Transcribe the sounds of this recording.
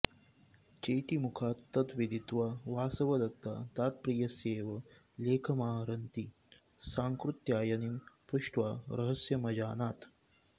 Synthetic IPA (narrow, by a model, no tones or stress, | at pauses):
t͡ʃeːʈimukʰaːt̪ːɐt̪ʋid̪ʱit̪ʋaʋaːsɐʋɐd̪ɐk̚t̪a̰ːt̪aːt̪̚pɾiːjɐseːʋɐ | leːkʰɐmaːɦɾɐnt̪i | saːŋkɾut̪jaːjɐnimpɾuʂʈʋaːɾɐɦɐsjɐmɐd͡ʒaːnaːt̪